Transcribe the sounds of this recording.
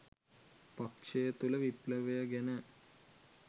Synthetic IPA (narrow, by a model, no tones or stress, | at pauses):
pakʂejət̪uləʋipləʋejəɡenə